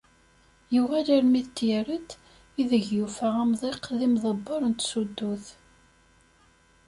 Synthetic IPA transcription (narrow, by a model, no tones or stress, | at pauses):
juʁæləɾmiðt̪ːjɾət̪ | iðəʝjufəʁæmðˤeqːðimðˤəbːoɾˤənt̪sud̪ːuθ